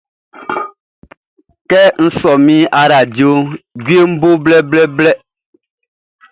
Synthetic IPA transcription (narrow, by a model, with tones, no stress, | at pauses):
kɛ˦ŋ̩˦sɔ˨mĩ˦a˦ɾa˨d͡ʒi˨o˦ɡi˦e˦m̩˦bo˦blɛ˦blɛ˦blɛ˦